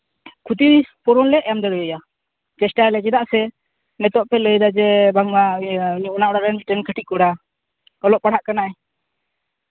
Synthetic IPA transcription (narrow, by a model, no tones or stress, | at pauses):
kʰut̪iɾpɔɾɔnlɛɛjamd̪əɽujəja | d͡ʒɛsʈaɾlɛd͡ʒɛd̪aʔsɛ | mɛt̪ɔʔpɛləjd̪ad͡ʒɛbaŋmaɲuʔnaʔɔɽaɾɛnsʈɛnkəʈʰiʔkɔɽa | ɔlɔʔpaɽ̤aʔkanaʔɛ